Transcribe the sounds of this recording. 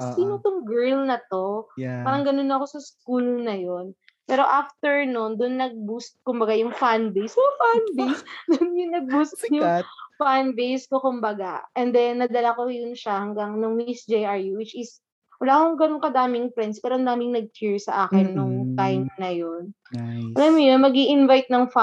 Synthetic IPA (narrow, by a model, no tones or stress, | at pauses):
siːnot̪ʊŋɡɛɹlnɐt̪o̞paːɾɐŋɡɐnonːɐɐko̞sɐskuːlnɐjo̞n | pɛːɾo̞ʔaft̪ɛɹnund̪ʊnːɐɡ̚bust̪̚kʊmbɐɡajʊŋfanbejsofanbejsd̪ʊnjʊŋnɐɡ̚bust̪jʊŋfanbejskokʊmbɐɡaʔɛnd̪ɛnːɐd̪ɐlakojʊnʃɐhɐŋɡaŋnɐŋmisd͡ʒejʔɐɹjuwɪt͡ʃɪs | wɐlaːkoŋɡɐnoŋkɐd̪aːmɪŋpɾɛnspɛːɾoɐnd̪aːmɪŋnɐɡ̚kʰɪɹsɐʔaːkɪnːʊŋt̪ajmnɐjon | ʔɐlamjojonmɐɡiʔɪnvajt̪̚nɐŋf